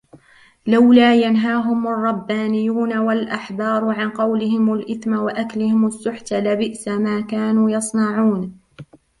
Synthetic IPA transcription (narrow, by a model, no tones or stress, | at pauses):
lawlaːjanɦaːɦʊmɑrˤːɑbːaːnɪjːuːnawalʔaħbɑːɾˤʕanqɑwlɪhɪmalʔɪθmawaʔaklɪhɪmasːʊħt̪alabɪʔsamaːkaːnuːjɑsˤnɑʕuːn